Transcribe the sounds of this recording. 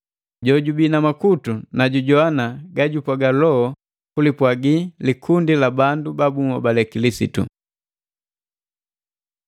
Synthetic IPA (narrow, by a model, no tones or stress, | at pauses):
ɟɔɟubinamakutunaɟuɟɔanaɡaɟupwaɡalɔɔ | kulipwaɡilikʰundilabandubabuŋɔbalɛkilisḭtṵ